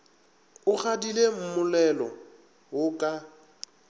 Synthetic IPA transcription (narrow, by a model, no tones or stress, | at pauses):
ʊχadilem̩mʊlɛlɔ | wʊkʼa